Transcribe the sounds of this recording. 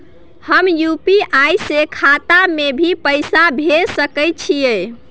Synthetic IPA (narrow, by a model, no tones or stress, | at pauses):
həmjupiʔajsekʰat̪amebʱipəjsabʱesəkəjt͡ʃʰie